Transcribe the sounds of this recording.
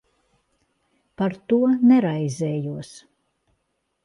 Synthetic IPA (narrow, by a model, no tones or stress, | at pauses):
paɾt̪uɔnɛɾajzɛːjuɔs